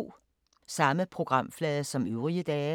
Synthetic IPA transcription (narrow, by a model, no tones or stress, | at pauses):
sɑ̈məpʰʁo̝ɡ̥ʁɑ̈m̰flɛːðˠɐsɒ̽møʊʁiəd̥ɛː